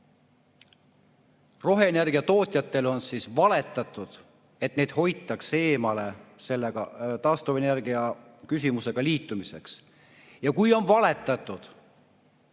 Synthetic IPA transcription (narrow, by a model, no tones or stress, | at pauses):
ro̞ɦe̞ːne̞rɡiɑt̪o̞ːt̪ʲˑjɑt̪ːˑe̞lo̞nsisvɑle̞t̪ːˑɑt̪ˑːud̪̥ | e̞t̪ne̞jd̪̥ho̞jt̪ːˑɑkse̞ːmɑle̞se̞lːeɡ̥ɑt̪ɑːst̪ove̞ne̞rɡiɑ | kys̬ʲimuse̞ɡ̥ɑliːt̪ːˑumise̞̰ks | jɑkujo̞nvɑle̞t̪ːˑɑt̪ːˑud̪̥